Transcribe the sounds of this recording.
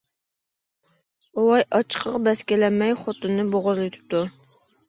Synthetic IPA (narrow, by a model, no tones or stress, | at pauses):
owɑjʔɑt͡ʃʰə̥qʰəqbɛskʲelɛmːɛjχot̪ɨnːɨboʁʊɾlˠɨt̪ʰɪ̥p̚t̪u